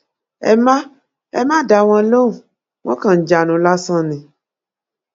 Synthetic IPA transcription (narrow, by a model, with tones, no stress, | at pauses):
ɛ̰˧mã˦ | ɛ˧mã˦˨da˧w̃ɔ̃˧lo˦u˨ | w̃ɔ̃˦kã˦˨˦d͡ʒa˨nũ˨˦la˦sã˦nĩ˨